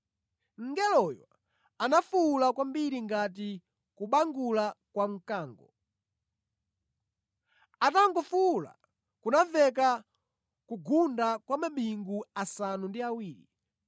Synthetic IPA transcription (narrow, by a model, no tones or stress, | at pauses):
ŋ̩ɡɛlɔja̰ | anafulakwambiɾiŋɡat̬i | kuɓaŋɡulakwaŋ̩kaːŋɡɔ | ataŋɡɔfuːla̰ | kunavɛk̬a | kuɡundakwamaɓiŋɡuasanundiawiːɾi